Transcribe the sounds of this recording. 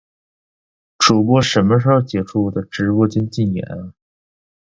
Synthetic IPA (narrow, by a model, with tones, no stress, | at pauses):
ʈ͡ʂu˨˩kwɔ˥˩ʂə˧˥nmə˧ʂə˧˥xo˧t͡ɕjɛ˨˩ʈ͡ʂʰu˥˩d̪ə˩ʈ͡ʂɻ̩˧˥pwɔ˥t͡ɕɛ˥nt͡ɕi˥˩njɛ̰˨˧˥n˦